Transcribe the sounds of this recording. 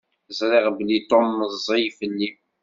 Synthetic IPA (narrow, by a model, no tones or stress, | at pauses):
zɾˤɪʁblit̪ˤomːəzˤijfəlːim